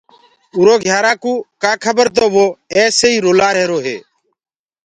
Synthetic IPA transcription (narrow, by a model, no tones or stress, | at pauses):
uːɾoːɡʱjaːɾaːkuːkaːkʰəbəɾt̪̬oːʋoːeːseiːɾoːlaːɾɦeːɾoːɦḛː